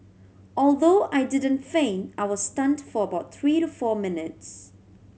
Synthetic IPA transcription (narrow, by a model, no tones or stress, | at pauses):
ɔlˠðoːʔaɪdɪdə̃ntfẽɪ̃naɪwɔ̥stãntfɔ˞əbaʊt̪̚θɹiːɾəfɔːmɪ̃nɪts